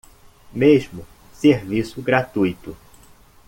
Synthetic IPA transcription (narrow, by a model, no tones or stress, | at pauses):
meʒmʊ | seɾvisʊɡɾat̪ujt̪ʊ